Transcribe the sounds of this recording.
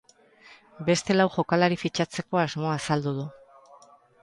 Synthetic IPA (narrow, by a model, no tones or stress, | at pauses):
be̞st̪e̞lawʝo̞kalaɾifit͡ʃat͡se̞ko̞azmo̞asald̪uðu